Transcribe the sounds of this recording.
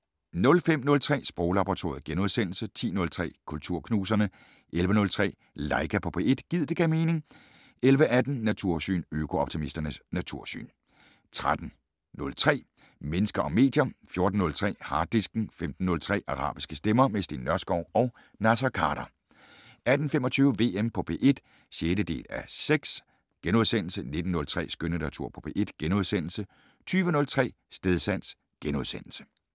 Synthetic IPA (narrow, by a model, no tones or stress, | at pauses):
nɔ̽lfem̰nɔ̽lt͡sʰʁɛ̰ːsb̥ʁɔʊlɑ̈b̥ɐʁɑ̈t͡sʰo̝ːɐð̩ˠɡ̥enuðˠsen̰l̩sət͡sʰḭːnɔ̽lt͡sʰʁɛ̰ːkʰult͡sʰuɐ̰kʰnuːs̬ɐnə | ʔelʋənɔ̽lt͡sʰʁɛ̰ː | lɑ̈ɪɡ̥æpʰɒ̽pʰee̝d̥ɡ̥ið̞̰̥ˠe̝ɡ̥ɛ̰ʊme̝ːne̝ŋ | elʋəʔæd̥n̩ːæt͡sʰuɐ̰sy̰ːnøkʰo̝ɒ̽b̥̚t͡sʰimisd̥ɐnəsnæt͡sʰuɐ̰sy̰ːn | t͡sʰʁad̥n̩ | nɔ̽lt͡sʰʁɛ̰ː | menəsɡ̥ɐʔɒ̽mːe̝̰ːd̥jɐfjo̝ɐd̥n̩ːɔ̽lt͡sʰʁɛ̰ːhɑ̈ːd̥isɡ̥n̩femd̥n̩ːɔ̽lt͡sʰʁɛ̰ːʔɑ̈ʁɑ̰̈ːb̥isɡ̥əsd̥emɐmesd̥ḛnːɶɐsɡ̥ɒʊɒ̽ʊ | næsɐkʰɑ̈ːɾ̥ɐ | æd̥n̩femɒ̽t͡sʰyːʊəʋe̝̰ːempʰɒ̽pʰe̝̰ːʔe̝d̥ | ɕeːdəd̥e̝̰ːlæseɡ̥s | ɡ̥enuðˠsen̰l̩səne̝d̥n̩ːɔ̽lt͡sʰʁɛ̰ːsɡ̥ønənæt͡sʰuɐ̰pʰɒ̥̽pʰe̝̰ːe̝d̥ɡ̥enuð̞ˠsen̰l̩sə | t͡sʰyːʋənɔ̽lt͡sʰʁɛ̰ː | sd̥eð̞ˠsæn̰s | ɡ̥enuðˠsen̰l̩sə̥